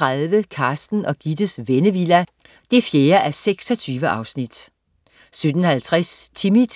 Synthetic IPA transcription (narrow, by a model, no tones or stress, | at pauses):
ʁaðˠʋəkʰɑ̈ːsd̥n̩ɒ̽ɡ̥id̥əsʋenəʋilæ | d̥e̝fjeːɐʔæseɡ̥sɒ̽t͡sʰyːʋəʔɑ̈ʊsnid̥ | sød̥n̩hælt͡sʰʁast͡sʰimi